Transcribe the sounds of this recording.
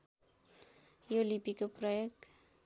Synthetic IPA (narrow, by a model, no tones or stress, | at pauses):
jolipikoprʌjʌkt̪